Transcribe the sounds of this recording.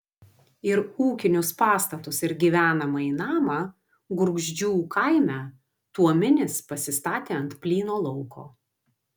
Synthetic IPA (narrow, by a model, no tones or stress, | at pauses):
ɪɾuːkʲɪnʲʊspɑːst̪ɐt̪ʊsɪɾɡʲiʋʲæːnɐmɐiːnɑːmɑ | ɡʊɾɡʒʲd͡ʒʲuːkʰɑɪmʲæː | t̪uɔmʲɪnʲɪspɐsʲɪst̪ɑːt̪ʲeːɐnt̪pʲlʲiːnoːlˠɔʊkʰo̰ː